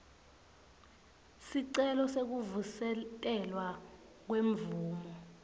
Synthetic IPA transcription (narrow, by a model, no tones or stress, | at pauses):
siǀɛlɔsek̬uvusɛɛlwa | k̬weɱvuːmɔ